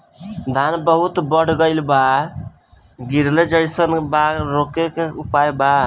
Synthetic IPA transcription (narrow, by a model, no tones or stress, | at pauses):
d̪ʱanbəɦut̪bəɽ̤ɡəɪlba | ɡiɾled͡ʒəjsənbaɾokekeupajba